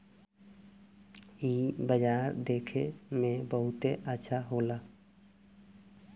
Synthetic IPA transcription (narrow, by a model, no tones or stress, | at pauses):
iːbəd͡ʒaːɾd̪eːkʰemẽbəɦʊt̪eʔətːʃʰaɦoːlaː